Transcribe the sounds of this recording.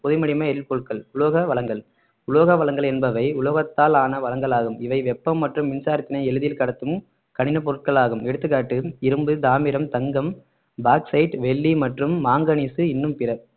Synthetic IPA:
pɔðɯmɐɽɪmɐɛɾɪlpɔːʈ̚kɐɭʊɭoːɣɐʋɐɭɐŋɡɐɭ | ʊɭoːɣɐʋɐɭɐŋɡɐɭɛnbɐʋɐɪʊɭoːɣɐt̪ːaːlaːnɐʋɐlɐŋɡɐɭaːɣɯmɪʋɐɪʋɛpːɐmːɐʈrɯmʋɪnsaːɾɐt̪ːɪnɐɪɛɻɯðɪjɪlkɐɽɐt̪ːɯm | kɐɳɪnɐp̬ɔɾɯʈ̚kɐɭaːɣɯmɛɽɯt̪ːɯkːaːʈːɯɪɾɯmbɯd̪aːmɪɾɐmt̪ɐŋɡɐm | baːksɐɪʈʋɛɭːimɐʈrɯmːaːŋɡɐnisɯɪnːɯmpɪrɐ

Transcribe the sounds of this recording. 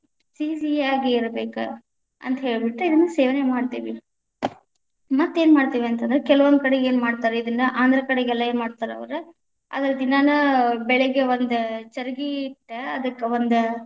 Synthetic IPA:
siːsiaːɡeiɾɐbeːkṵ | ɐ̰nt̪ɐɦeːɭbiʈːuid̪ɐnːɐseːʋɐnemaːɖt̪iːʋi | mɐt̪ːe̞ːnmaːɽt̪iːʋiɐnt̪ɐnd̪ɾekɛlɐʋond̪ukɐɽeeːnmaːɽt̪aːɾeid̪ɐnːɐʔaːnd̪ɐɾɐkɐɽeɡɛlːɐeːnmaːɽt̪aːɾɐ̰ʋɐɾu | ɐ̰d̪ɐɾɐd̪inːanɐbɛɭɛɡeʋond̪ut͡ʃɐɾɐɡiʈːɐd̪ɐkːɐʋond̪u

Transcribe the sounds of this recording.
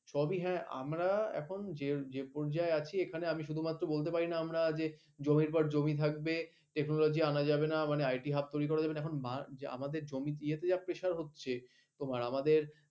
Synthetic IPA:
ʃʰɔbiɦɛ̃a̰mɾaɛ̰kʰond͡ʑed͡ʑepɔɾd͡ʑaeat͡ɕʰiekʰaneamiʃ̬ud̪ʱumat̪ːɾobolt̪̬epaɾinaamɾad͡ʑe | d͡ʑomiɾpɔɾd͡ʑomit̪ʰak̚be | ʈeknolod͡ʑianad͡ʑabenamaneajʈiɦab̚t̪ojɾikɔɾad͡ʑabenaɛkʰonmaa̰mad̪eɾd͡ʑomit̪iet̪ed͡ʑapɾeʃaɾɦotːɕʰe | t̪omaɾamad̪eɾ

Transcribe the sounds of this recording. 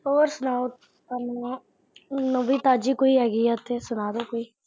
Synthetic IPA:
oːɾsʊnaːo | anõː | nõːbiːt̪aːd͡ʒiːkoiːɦɛːɡiːɛt̪ʰeːsʊnaːd̪oːkoːiː

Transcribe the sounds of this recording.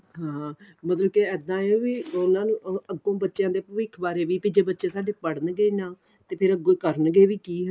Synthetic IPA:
ɦãːmət̪ləb̚keɛːd̪ãːeʋiːʊnãːnũːəɡːõːbətːʃjãːd̪eːpəʋɪkʰbaːɾeːʋiːpid͡ʒeːbətːʃeːsaːɖeːpəɽənɡeiːnãː | t̪eːpʰɪɾəɡokəɾnɡeːʋiːkiːɦə

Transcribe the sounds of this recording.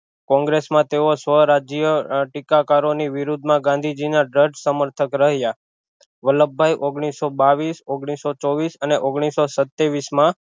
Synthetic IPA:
kɔ̃ŋɡɾesmãt̪eosʋəɾad͡ʒijəʈikakaɾoniʋɪɾud̪ʱmãɡãnd̪ʱid͡ʒinaɖəɖsəməɾt̪ʰəkɾəɦja | ʋələbʱːajʔoɡɽ̃isobaʋisoɡɽ̃isot͡ʃɔʋisəneʔoɡɽ̃isosət̪ːeʋismã

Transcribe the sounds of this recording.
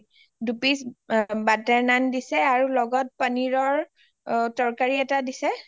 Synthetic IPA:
dupisbatɛɹnandisɛaɹulɔɡɔt̚paniɹɔɹ | tɔɹkaɹiɛtadisɛ

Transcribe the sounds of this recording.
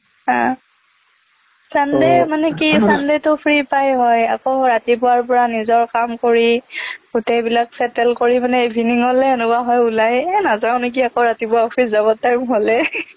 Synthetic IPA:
ã | sandɛmanɛkisandetʊpʰɹipajɦɔja̰kɔɹatip̬ʊwaɹp̬ɔɹanizɔɹkamkoɹiɡutejbilaksɛtɛlkoɹimanɛebʱiniŋɔlɛenukaɦɔjulajnazaʊ̃nek̬iakoɹatipuwaɔpʰiszabɔtːajmɦɔlɛ

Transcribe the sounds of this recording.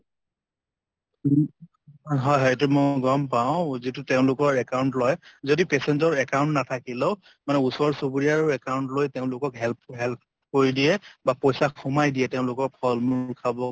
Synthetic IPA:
ɦɔjɦɔjtɛmɔɡɔmpaʊ̃zitʊteʊ̃lʊkɔɹɛkawʊntlɔjzodipɛsɛnzɔɹɛkaʊ̃ntnatʰakileʊ | manɛusɔɹsobuɹijaɹɔɹɛkawʊntlojteʊ̃lʊkɔkɦɛlp̚ʰɦɛlp̚ʰ | koɹidijɛbapɔjsakʰɔmajdijɛtɛʊ̃lʊkɔk̚pʰɔlmuɹkʰabɔ

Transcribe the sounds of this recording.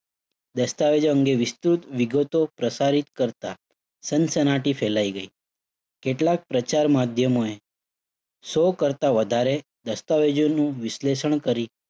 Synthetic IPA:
d̪əst̪aʋed͡ʒoəŋɡeʋɪst̪ɾut̪ʋiɡət̪opɾəsaɾit̪kəɾt̪a | sənsənaʈifʰelaiɡəi | keʈlak̚pɾət͡ʃaɾmad̪ʱjəmoe | sokəɾt̪aʋəd̪ʱaɾe | d̪əst̪aʋed͡ʒonũʋɪʃleʃəɳkəɾi

